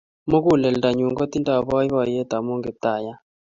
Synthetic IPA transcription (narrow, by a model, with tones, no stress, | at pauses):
mo˦ku˦˨lɛ˨lda˨ɲu˨ŋɡɔ˦t̪i˦nda˦˨bɔ˦jwɔ˨je˦t̪a˨mo˦ŋɡe˨p̚t̪a˨ja˦